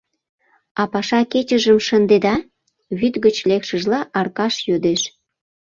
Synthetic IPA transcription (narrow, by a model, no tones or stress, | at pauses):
ɑpɑʃɑket͡ɕəʒəmʃənd̪ed̪ɑ | βyt̪ɣət͡ɕlekʃə̆ʒlɑʔɑrkɑʃjød̪eʃ